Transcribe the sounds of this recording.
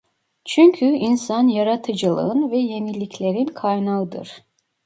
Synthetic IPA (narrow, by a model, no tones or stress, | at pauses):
t͡ʃʰyɲcʰyinsanjaɾat̪ʰɯd͡ʒɯlˠɯ̰ɯnvɛje̞milʲːicʰlʲeɾinkʰajnaɯd̪ɯ̰ɾ̥